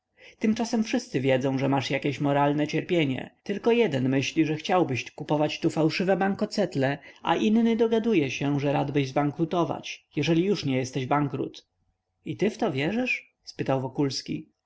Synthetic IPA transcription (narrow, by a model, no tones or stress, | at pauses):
t̪ɘmt͡ʂasɛmfʂɘst̪sɘvʲjɛd̪zɔ̃w̃ʐɛmaʂjakʲeɕmɔɾalnɛt͡ɕɛɾpʲjeɲɛ̰t̪ɘlkɔjɛd̪ɛnmɘɕlʲiʐɛxt͡ɕawbɘɕkupɔvat͡ɕt̪ufawʂɘvɛbaŋkɔt̪sɛt̪lɛʔa̰ʔinːɘd̪ɔɡad̪ujɛɕɛʐɛɾad̪bɘʑzbaŋkɾut̪ɔva̰t͡ɕjɛʐɛlʲijuʂɲɛjɛst̪ɛʑbaŋkɾṵt̪ | it̪ɘft̪ɔvʲjɛʐɘʂ | spɘt̪awvɔkulskʲḭ